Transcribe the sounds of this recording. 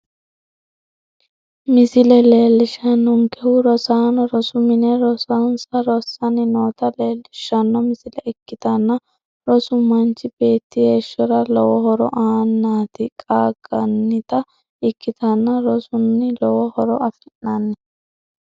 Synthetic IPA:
mɪsɪlɛle̞ːlːɪʃɐnːɔŋkɛhʊɾɔsaːnɔɾɔsʊmɪnɛɾɔsɐnsɐɾɔsːɐnɪnoːt̪ɐleːlːɪʃɐnːɔmɪsɪlɛɪkːɪt̪ɐnːɐ | ɾɔsʊmɐnt͡ʃːɪb̥e̞ːt̪ːɪheːʃːɔɾɐlɔwɔhɔɾɔ̰ʔaːnːaːt̪ɪkʼaːɡʼɐnːɪt̪ɐ | ɪkːɪt̪ɐnːɐɾɔsʊnːɪlɔwɔhɔɾɔɐfɪnːɐnːɛ

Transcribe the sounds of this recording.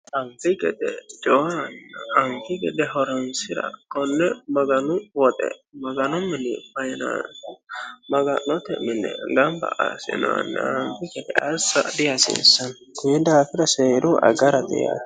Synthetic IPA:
ɐmfɪɡɛd̪ɛd͡ʒʼɔwɐnːɐːmfɪɡɛd̪ɛhɔɾɔnsɪɾɐ̰kɔnːɛmɐɡɐnʊwɔt̪ʼɛ̰mɐɡɐnʊmːɪnɪ̰fɐjna̰n | mɐɡɐnɔt̪ɛmɪnːɛ̰ɡɐmbɐ̰ʔasɛ̰nɔɐ̰nːɐ̰ːmfɪɡɛd̪ɛʔɐsːɐ̰d̪ɪjɐsḛsːɐn | kʊjɛd̪aːfɪɾɐseːɾʊʔɐ̰ɡɐɾɐd̪ɛ̰ja̰

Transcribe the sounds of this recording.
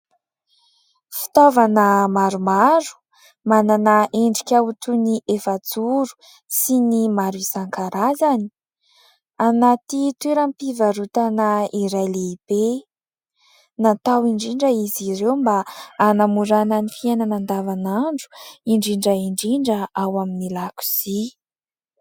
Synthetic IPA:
fi̥t̪ovanəmaɾumaɾu̥ | mananəʔeɳɖ͡ʐi̥kʲaut̪uniʔefat͡suɾu̥ | sinimaɾisaŋkaɾazani̥ | anat̪it̪weɾampivaɾut̪anəiɾalib̥e | nat̪awiɳɖ͡ʐiɳɖ͡ʐəiziɾewmbaːnamuɾananifienanand̪avanaɳɖ͡ʐu̥iɳɖ͡ʐiɳɖ͡ʐəiɳɖ͡ʐiɳɖ͡ʐəawaminilaku̥z̥i

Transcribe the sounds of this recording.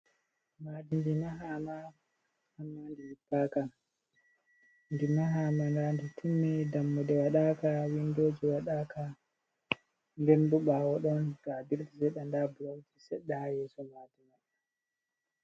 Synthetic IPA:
madindimaɦama | hamːandilipːaka | ndimaɦaːmandanditʰumːɛdamːɔɗɛwaɗakawindod͡ʒiwaɗakʰa | ŋɡɛnbuɓawɔɗɔnɡabiɾdisɛɗandabulawtisɛɗːɛhajɛsɔmaːdinɛ

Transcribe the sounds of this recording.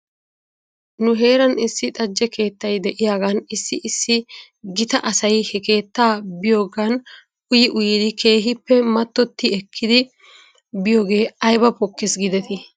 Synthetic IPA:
nʊɦe̞ːɾɐnɪsːɪt̪ʼɐd͡ʒːɛkʰe̞ːt̪ːɐjd̪ɛʔɪjaːɡɐnɪsːɪʔːsːɪ | ɡɪt̪ɐʔɐsɐjhɛke̞ːt̪ːaːbɪjoːɡɐn | ʔʊjɪʔʊjɪd̪ɪkʰe̞ːɦɪpːɛmɐt̪ːɔt̪ːɪɛkʰːɪd̪ɪ | bɪjoːɡe̞ːɐjbɐpɔkːɪsɡɪd̪ɛt̪ɪ

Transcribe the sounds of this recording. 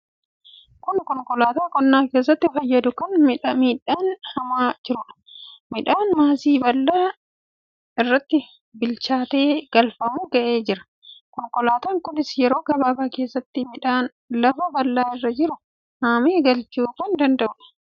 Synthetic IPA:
kʊnkɔŋkɔlaːt̪aːkɔnːaːke̞ːs̬ːɐt̪ːɪfɐjːɐd̪ʊkɐnmɪᶑɐmiːᶑaːnhɐmaːd͡ʒɪɾʊᶑɐ̥mɪᶑaːnmaːsiːbɐlːaː | ɪrːɐt̪ːɪ | bɪlt͡ʃaːt̪e̞ːɡ̥ɐlfɐmuɡɐʔe̞ːd͡ʒɪɾɐ̥ | kɔŋkɔlaːt̪aːŋkʊnɪsjɛɾo̞ːɡɐbaːbaːke̞ːsːɐt̪ːɪmɪᶑaːn | lɐfɐbɐlːaːɪrːɐd͡ʒɪɾʊ | haːmeːɡɐlt͡ʃuːfɐnd̪ɐnd̪ɐʔʊᶑɐ̥

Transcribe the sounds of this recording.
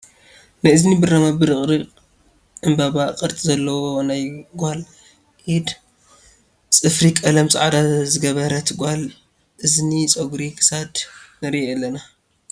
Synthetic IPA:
najɨznibɨrɐmabɨɾɨχʼɾɨ | ʕɨmbaβaqʼɨɾt̪ʼizɐlːɐwonajɡʷal | ʔid̪ | t͡sʼɨfɾikʼɐlɐmt͡sʼʕad̪azɨɡɐβɐɾɐt̪ʰɡʷal | ʔɨznit͡sʼoɡɾikʰɨ̥sad̪nɐɾielːɐna

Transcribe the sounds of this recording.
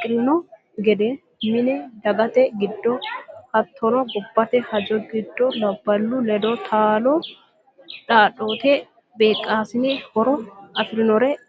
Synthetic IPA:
kʼɾɪnɔ | ɡɛd̪ɛ | mɪnɛd̪ɐɡɐt̪ɛɡɪd̪ːɔhɐt̪ʰːɔnɔɡɔbːɐt̪ɛhɐd͡ʒɔɡɪd̪ːɔlɐbːɐlːulɛd̪ɔt̪ʰaːlo | ᶑaːᶑoːt̪ɛ | beːkʼːaːsɪnɛhɔɾɔɐfɪɾɪnɔɾɛ

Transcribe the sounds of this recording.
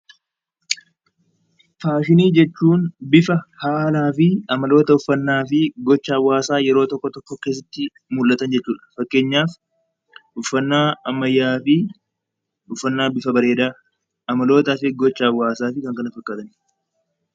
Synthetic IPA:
faːʃɪniːd͡ʒɛt͡ʃːuːnbɪfɐhaːlaːfɪɐmɐlo̞ːt̪ɐʊfːɐnːaːfɪɡɔt͡ʃːɐɐwːaːsaːjɛɾo̞ːt̪ɔkːɔt̪ɔkːɔkeːs̬ɐt̪ːɪ | mulʔɐt̪ɐnd͡ʒɛt͡ʃːuːᶑɐ̥fɐkːe̞ːɲːaːf | ʊfːɐnːaːɐmːɐjːaːfɪ | ʊfːɐnːaːbɪfɐbɐɾe̞ːd̪aː | ɐmɐlo̞ːt̪aːfɪɡɔt͡ʃːɐɐwːaːsaːfɪkɐŋkɐnɐfɐkːaːt̪ɐn

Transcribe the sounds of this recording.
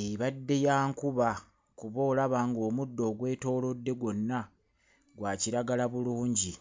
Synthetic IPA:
eβadːe̞jaːŋkuβa | kuβoːlaβaːŋɡo̞ːmudːo̞ːɡwe̞ːto̞ːlo̞dːe̞ɡwo̞nːa | ɡwaːciɾaɡalaβuluːɲɟi

